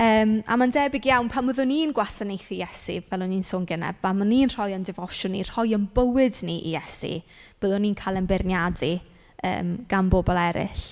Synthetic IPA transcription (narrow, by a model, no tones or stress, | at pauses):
əːma̰mandɛbɪɡjawnpʰaməðʊniːnɡwasanejθijɛsḭvɛlˠʊniːnsoːnɡənɛ̰b̥vamaniːnr̥ɔjəndɪvɔʃʊnir̥ɔjənbəwɨdniʔḭjɛsḭ | b̥əðʊniːnkʰalˠənbɪrnjadi | ə̰ːmɡ̥anboːbɔlˠɛɾɪ̰ɬ